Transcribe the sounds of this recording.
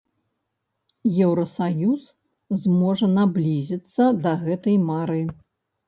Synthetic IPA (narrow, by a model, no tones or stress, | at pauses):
jɛwɾɐsajus | zmɔʐɐnablʲizʲit̪sːɐd̪ɐɣɛt̪ɐjmaɾɨ